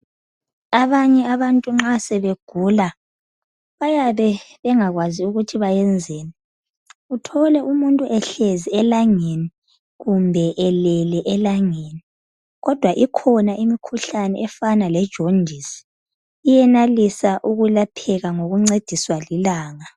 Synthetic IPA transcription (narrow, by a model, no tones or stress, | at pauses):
aβaɲɛaβantʼuŋ͡ǁasɛβeɡ̥ʱuːla | βajaβɛβɛŋaɣwaziuɣutʰiβajɛnd͡zʱeːni | utʰɔlɛʔumuntʼuʔɛɬeziɛlaŋeni | ɣumbʱɛʔɛlɛlɛʔɛlaŋeːni | ɣɔd̥ʱwaʔikʰɔnaʔimikʰuɬanɛ̰ʔɛfanalɛd̥ʒ̥ʱond͡ʒʱisi̥ | ijɛnalisaʔuɣulapʰɛɣaŋoɣuŋ͡ǀed̥ʱiswalilaːŋa